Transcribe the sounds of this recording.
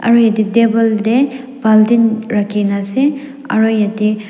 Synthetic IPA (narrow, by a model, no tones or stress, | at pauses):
ɐ̰ɾojɐdidebɐlde | b̥aldinɾakʰːinase | ɐ̰ɾojɐdi